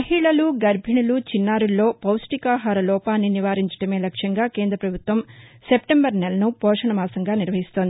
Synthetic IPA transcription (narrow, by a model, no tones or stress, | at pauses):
mɐɦiɭɐluɡɐɾbʱiɳɐlut͡ʃinːaːɾulːo̞ːpɐwsʈikaːɦaːɾɐlɔːpaːnːiniʋaːɾiɲt͡ʃɐ̥ɽɐme̞ːlɐkʂjɐŋɡaːke̞ːnd̪ɾɐpɾɐbʱut̪ʋɐmsepʈembɐɾnelɐnupɔːʂɐɳɐmaːsɐŋɡaːniɾʋɐɦist̪ond̪i